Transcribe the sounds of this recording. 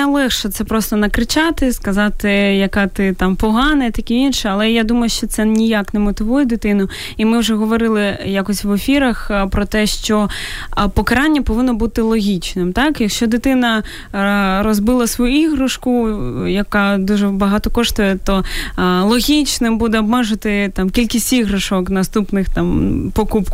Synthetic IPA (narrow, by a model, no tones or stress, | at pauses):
ɐlˠɛxʃɛt̪sɛpɾɔst̪ɔnɐkɾɪt͡ʃɑt̪ɪskɐzɑt̪ɪjɐkɑt̪ɪt̪ɑmpɔɦɑnɐit̪ɐkʲiinʃɛɐlˠɛjad̪umɐjʊʃt͡ʃɔt̪sɛnʲijaknɛmɔt̪ɪʋujɛd̪ɪt̪ɪnʊ | imɪwʒɛɦɔʋɔɾɪlˠɪjakɔsʲʋefʲiɾɐxpɾɔt̪ɛʃt͡ʃɔ | pɔkɐɾɑnʲːɐpɔʋɪnːɔbut̪ɪlˠɔɦʲit͡ʃnɪmt̪ɑkjɐkʃt͡ʃɔd̪ɪt̪ɪnɐ | rɔzbɪlˠɐsʋɔjuiɦɾɐʃkʊjɐkɑd̪uʒɛbɐɦɑt̪ɔkɔʃt̪ɔjɛt̪ɔlˠɔɦʲit͡ʃnɪmbud̪ɛɔbmɛʒʊt̪ɪt̪ɑmkʲilʲkʲisʲtʲiɦɾɐʃɔknɐst̪upnɪxt̪ɑmpɔkupk